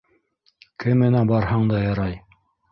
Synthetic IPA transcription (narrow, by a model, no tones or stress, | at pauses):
kʰɘmːɘ̆næbɑɾhɤɴd̪ɑjɑɾɑj